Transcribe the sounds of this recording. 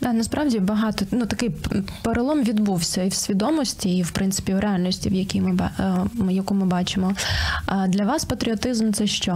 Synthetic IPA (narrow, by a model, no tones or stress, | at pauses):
d̪ɑnɐspɾʔɑwdʲibɐɦɑt̪ɔnut̪ɐkɪjpeɾɐlˠɔmʋʲid̪buwsʲɐiwsʲʋʲid̪ɔmɔsʲtʲiːwpɾʔɪnt̪sɪ̥pʲiwɾʔealʲnʲɔsʲtʲiwjɐkʲijmɪbjɐkumɪbɑt͡ʃɪmɔ | d̪lʲɐʋɑspɐt̪ɾʲɪɔt̪ɪzmt̪sɛʃt͡ʃɔ